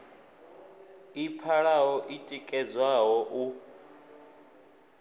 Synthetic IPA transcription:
ip̪fʰaɺaɦɔʔitʼikʼɛd͡zwaɦɔʔu

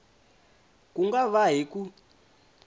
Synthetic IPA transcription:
kuŋɡaβaɦiku

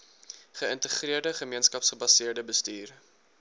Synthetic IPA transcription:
χəəntəχriərdəχəmiənskɐpsχəbɐsiərdəbəstyːr

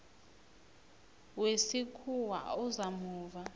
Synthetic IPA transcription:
wesikʰuwa̰uzamuːva

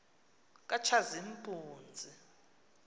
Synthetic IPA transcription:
k̬ʼat͡ʃʰazimpʼuːnd͡zʱi

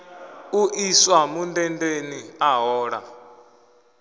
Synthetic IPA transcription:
uʔiswamundɛndeniaɦɔːɺa̰

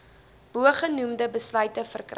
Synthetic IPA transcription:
b̥uəχənumdəbəslœɥtəfərkr

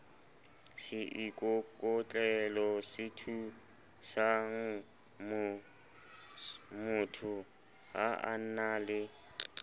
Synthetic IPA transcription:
sɪʔikʼɔkʼɔt͡ɬʼɛlɔsɪtʰu | saŋ | mʊtʰʊ | ɦa̰a̰n̩naːlɪ

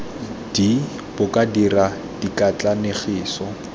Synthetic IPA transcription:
d̥i | b̥ʊkʼadira | d̥ikʼat͡ɬʼaneχiːsɔ

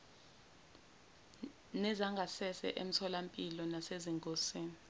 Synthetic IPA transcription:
nɛzaŋɡʱasɛsɛ̰ʔem̩tʰɔlampʼilɔnaseziŋkʼosiːni

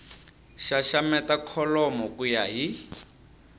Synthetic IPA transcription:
ʃaʃamɛtakʰɔlɔmɔkʼujaɦi

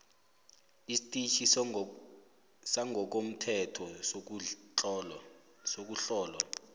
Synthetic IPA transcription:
istʼit͡ʃʰi | saŋʱɔk̬om̩tʰɛtʰɔ | sok̬uɬɔːlwa̰

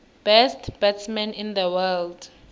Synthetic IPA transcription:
b̥ɛstb̥ɛtsmɛ̃nĩnd̪əwɛld

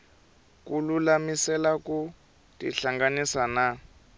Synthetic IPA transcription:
kululamisɛlaku | tiɬaŋɡanisana

